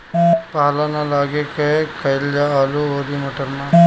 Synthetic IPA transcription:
paɦlanãlaːɡekɐkɐɪld͡ʒaaːluɦoːd̪iːmɐʈəɾmãː

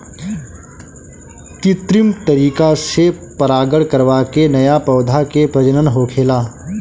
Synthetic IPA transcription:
t̪ɪt̪ɾɪmt̪ɐɾiːkasepəɾaːɡəɽkəɾʋakenɐjapɐːd̪ʱakepɾɐd͡ʒənənɦoːkʰeːlaː

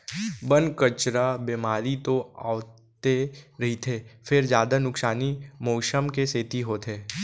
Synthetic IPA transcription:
bənkət͡ʃɾabemaːɾit̪oa̰ːt̪eɾɐɦit̪ʰeːfʰɪɾd͡ʒjaːd̪anʊksaːnimoːʃəmkeseːt̪iɦoːt̪ʰeː

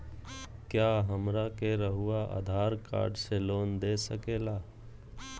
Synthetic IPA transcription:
kjaːɦəmɾakeɾəɦʊaʔə̰d̪ʱaːɾka̰ːɾɖseloːnd̪eːsəkeːlaː

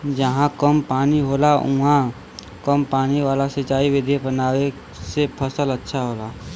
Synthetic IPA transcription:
d͡ʒəɦãkəmpaːniɦoːlaũɦã | kəmpaːniʋaːlasɐt͡ʃaːiʋɪd̪ʱebənaːwe | sepʰəsələtːʃʰaɦoːlaː

